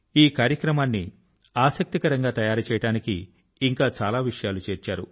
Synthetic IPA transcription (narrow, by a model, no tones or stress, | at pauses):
iːkaːɾjɐkɾɐmaːnːi | aːsɐk̚t̪ikɐɾɐŋɡaːt̪ɐjaːɾut͡ʃɛːjɐɽaːnikḭː | ŋkaːt͡ʃaːlaːʋiʂɐjaːlut͡ʃeːɾt͡ʃaːɾṵ